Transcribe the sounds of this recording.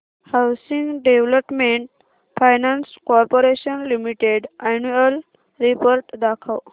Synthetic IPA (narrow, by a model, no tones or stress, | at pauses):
hawsĩŋɡɖeʋləpmẽɳʈ | pʰajnanskɔɾpoɾeʃənlimiʈeɖanuel | ɾipoɾʈd̪akʰaw